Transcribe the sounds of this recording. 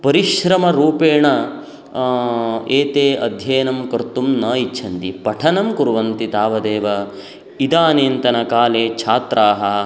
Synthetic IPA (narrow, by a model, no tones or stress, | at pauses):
pɐɾiʃɾɐmɐɾuːpeːɳɐ | eːt̪eːʔɐd̪ʱjɐːjɐnɐmkɐɾt̪umnɐːit͡ʃʰɐnt̪ipɐʈʰɐnɐmkuɾʋɐnt̪it̪aːʋɐd̪eːʋɐ | id̪aːneːnt̪ɐnɐkaːleːt͡ʃʰaːt̪ɾʔaːɦɐ